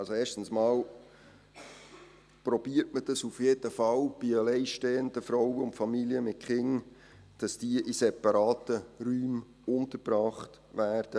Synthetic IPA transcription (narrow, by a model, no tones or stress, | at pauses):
ɑlsoeːʃtn̩smɑːl | prɔbiːəɾtməd̥ɑsufjeːd̥əfɑlb̥iəlɛɪʃteːənd̪əfɾɔwəʊntfɑmiliəmɪt̚χɪŋ | d̥ɑsd̥iːʔisɛpɑɾɑːtəɾyːm | ʊnt̪əɾbɾɑːχt | ʋæːɾd̥ə